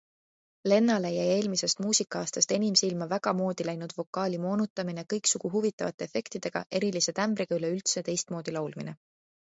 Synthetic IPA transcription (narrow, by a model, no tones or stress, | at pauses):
le̞nːɑlejæje̞ːlmise̞st̪muːsikːˑɑɑːst̪ɑst̪e̞nimsilmɑvæɡ̥ɑmo̞ːd̪̥ilæjnud̪̥vo̞kːˑɑːlʲimo̞ːnut̪ːˑɑmine̞kɤjksuɡ̥uɦuvit̪ːˑɑvɑ̰t̪ːˑeefe̞kt̪id̪̥e̞ɡ̥ɑ̰ʔe̞ɾilise̞t̪æmbɾiɡ̥ɑyle̞ylt̪se̞t̪e̞jst̪mo̞ːd̪̥ilɑwlmine̞̰